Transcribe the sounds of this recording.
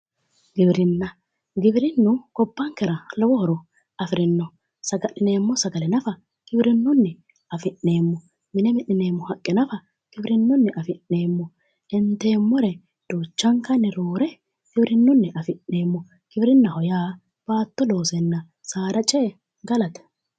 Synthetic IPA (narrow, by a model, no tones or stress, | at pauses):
ɡɪbɪɾɪnːɐ | ɡɪbɪɾɪnːʊkɔbːɐŋkːɛɾɐlɔwɔhɔɾɔ | ʔɐfɪɾɪnːɔ | sɐɡɐʔɪne̞ːmːɔsɐɡɐlɛnɐfɐ | ɡ̥ɪbɪɾɪnːʊnːɛ | ɐfɪʔːe̞ːmːɔ | mɪnɛmɪʔɪneːmːɔhɐkʼːɪnɐfɐ | ɡ̥ɪbɪɾɪnːʊnːɛʔɐfɪnːe̞ːmːɔ | ɪnt̪ːe̞ːmːɔɾɛ | d̪̥oːt͡ʃːɐŋkːɐnːɛɾoːɾɛ | ɡ̥ɪbɾɪnːʊnːɛʔɐfɪʔːe̞ːmːɔ | ɡ̥ɪbɾɪnːɐhɔjaː | b̥aːt̪ːɔlo̞ːsɛnːɐ | saːɾɐt͡ʃʼe | ɡɐlɐt̪ɛ̥